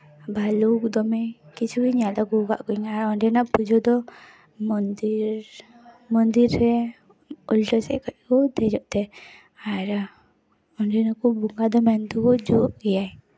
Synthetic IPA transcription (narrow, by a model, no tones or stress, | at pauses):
balukd̪ɔmɛkit͡ʃʰuiɲad̪ɔɡuɡa̰ʔkɔiɲaɾɔnɖɛnaʔpud͡ʒɔd̪ɔ | mɔnd̪iɾ | mɔnd̪iɾːɛ | ɔlʈɔsɛ̰ʔkɔc̚ˀkɔd̪ɛd͡ʒɔʔt̪ɛ | aɾ | ɔɳɖɛnakubuŋɡad̪ɔmɛnt̪ɔkɔd͡ʒɔʔɡɛjaj